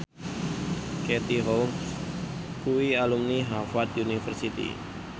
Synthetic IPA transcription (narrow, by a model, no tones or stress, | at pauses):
ket̪iɦɔms | kuwialumniɦafat̪unifərsit̪ḭ